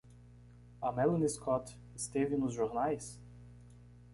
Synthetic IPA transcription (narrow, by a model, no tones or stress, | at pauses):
amɛlˠuniskʰɔt̪ | st̪evinuzʒɔɾnais